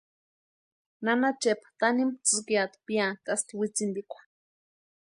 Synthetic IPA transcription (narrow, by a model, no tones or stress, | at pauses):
nanat͡ʃepḁt̪animt͡sɨkijat̪piat̪ast̪iwit͡sind̪ikʷḁ